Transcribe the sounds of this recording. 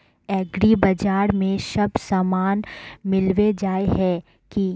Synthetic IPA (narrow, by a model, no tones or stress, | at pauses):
ɛːɡɾibɐd͡ʒaːɾmẽʃɐbsaːmaːnmɪlʋed͡ʒaːeɦɛ | ki